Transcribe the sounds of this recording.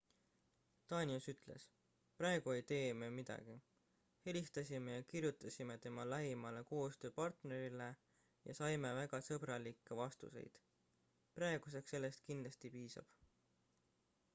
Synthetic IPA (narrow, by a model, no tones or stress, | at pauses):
t̪ɑːnʲiusyt̪ˑle̞̰s | pɾɑe̞ɡ̥ue̞jt̪e̞ːmemid̪̥ɑ̰ɡ̥i | he̞list̪ɑsʲime̞jɑkirjut̪ːˑɑsʲime̞t̪e̞mɑlæɦimɑle̞ko̞ːst̪ø̞ːpɑrt̪ne̞ɾile̞ | jɑ̰sɑjme̞væɡ̥ɑsɤbɾɑlikˑːe̞vɑst̪ṵse̞̰jd̪̥ | prɑeɡ̥us̬e̞ksːe̞lːe̞st̪̚kinlɑst̪ipiːsɑ̰b̥